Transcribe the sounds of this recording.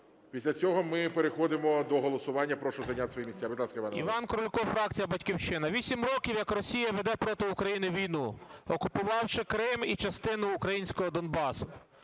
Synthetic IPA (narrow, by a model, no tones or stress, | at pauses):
pʲisʲlʲɐt͡sʲɔɦɔmɪpeɾexɔd̪ɪmɔd̪ɔɦɔlˠɔsʊʋɑnʲːɐpɾɔʃɔzɐnʲat̪ʲsʲʋɔjimʲisʲt͡sʲabɪd̪lˠɑskɐɪʋanḭʋɑnkɔɾɔlʲkɔfɾɑk̚t͡sʲijɐbɐtʲkʲiwʃɪnɐʋʲisʲimɾɔkʲiwjɐkrɔsʲijɐʋed̪ɛpɾɔt̪ɪʊkɾɐjinɪʋʲijnuɔkʊpʊʋɑwʃɪkɾɪmit͡ʃɐst̪ɪnʊːkɾɐjinʲsʲkɔɦɔd̪ɔnbɑsʊ